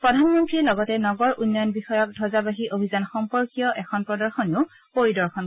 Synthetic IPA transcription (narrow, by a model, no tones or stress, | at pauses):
pɹɔdʱanmɔntɹilɔɡɔtɛnɔɡɔɹʔunːɔjɔnbixɔjɔk̚dʱɔzabaɦiʔobʱizanxɔmpɔɹkijɔʔɛkʰɔnpɹɔdɔɹxɔneʊ | poɹidɔɹxʰɔn